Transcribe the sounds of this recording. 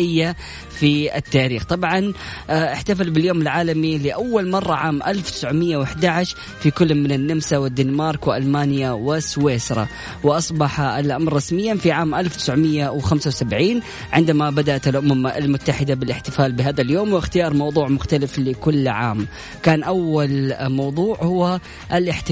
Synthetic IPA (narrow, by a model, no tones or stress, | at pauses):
ɪjːa | fiɪt̪ːaːɾiːxt̪ˤɑbʕɑnʔɪħt̪afɪlbɪljoːmɪlʕaːlamilɪʔawːalmɑrˤːɑʕaːmʔalfw̥t̪ɪ̥sʕmɪjːawɪħd̪aʕɪʃ | fikʊlːmɪnɪnːɪmsawɪd̪ːɪnmɑːɾˤkwɪʔalmaːnjawɪsweːsɾˤɑ̰ | wɪʔɑsˤbɑħaɪlʔamɾːˤɑsmɪjːanfiʕaːmʔalft̪ɪ̥sʕʊmɪjːawxamsawsabʕiːn | ʕɪ̰nd̪amabad̪aʔt̪alʔʊmama̰lmʊt̪ːaħɪd̪abɪlɪħt̪ɪfaːlbɪɦaːðaljoːmwɪxt̪ɪjɑːɾˤmɑwðˤuːʕmʊxt̪alaflɪkʊlːʕa̰ːm | kaːnʔawːalmɑwðˤuːʕhʊwːa | ʔlʔɪħt̪ɪ